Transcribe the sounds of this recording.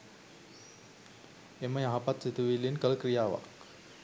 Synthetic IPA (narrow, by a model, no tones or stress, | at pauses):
eməjaɦapat̪sit̪uʋilːinkələkɾijaːʋa̰k